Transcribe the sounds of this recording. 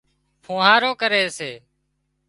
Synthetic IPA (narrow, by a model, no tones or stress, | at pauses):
pʰõːɦaːɾoːkəɾeːseː